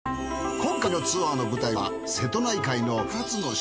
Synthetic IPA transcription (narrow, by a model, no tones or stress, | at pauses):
kõ̞ŋkaino̞t͡sɨβaːno̞bɯ̟t̪aia̰ | se̞t̪o̞naikaino̞kat͡sɨno̞ɕ